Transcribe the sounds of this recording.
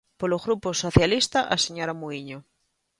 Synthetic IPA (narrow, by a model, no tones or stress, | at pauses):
polozɣɾuposoθjalist̪aʔaseɲoɾamuiɲo